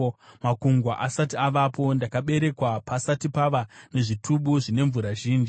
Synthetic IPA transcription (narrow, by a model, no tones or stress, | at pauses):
makuŋɡwaʔasatiaʋapo̞ndakaɓe̞ɾe̞kwapasatipaʋane̞ʐitʰuɓuʐine̞ɱvuɾaʒiːnd͡ʒi